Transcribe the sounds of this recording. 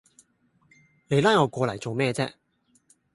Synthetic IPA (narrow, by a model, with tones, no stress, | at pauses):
ne˨˧jlaː˥jŋɔː˨˧kʷɔː˧lɐ˨˩jt͡so˨wmɛː˧t͡sɛː˥